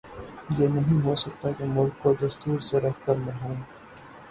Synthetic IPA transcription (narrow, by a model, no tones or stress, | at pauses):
jeːnɐɦĩɦosɐk̚t̪akemʊlk̚kod̪ɐst̪uːɾseɾɐkʰkəɾmẽɦũː